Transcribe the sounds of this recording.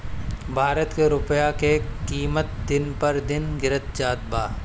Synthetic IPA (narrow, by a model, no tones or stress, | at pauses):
bʱaːɾət̪keɾʊpjakekiːmət̪̚d̪ɪnpɐɾd̪ɪnɡɪɾət̪̚d͡ʒaːt̪̚baː